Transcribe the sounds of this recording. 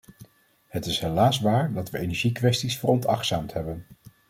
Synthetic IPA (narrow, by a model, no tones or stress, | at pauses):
hətɪsɦelaːsʋaːɹdɑtʋəejnɛɹʒikʋɛstisfoːrɔntɑ̰χtsaːmtɦɛbən